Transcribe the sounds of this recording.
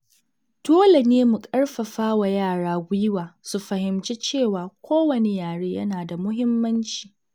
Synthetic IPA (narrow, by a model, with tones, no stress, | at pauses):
toː˦la˨neː˦mu˨kʼɐ˦ɽɸɐ˨ɸaː˦wa˨jaː˦˨ɽaː˦ɡʷʊ˦jɪ˦waː˨su˨ɸɐ˨hɪ˨mt͡ʃe˦t͡ʃeː˦˨waː˨kʷʰoː˦wɐ˨ne˦jaː˨ɽeː˦jɐ̰˦naː˨da˨mʊ˦ɦɪ˦mːɐ˦nt͡ʃi̥ː˨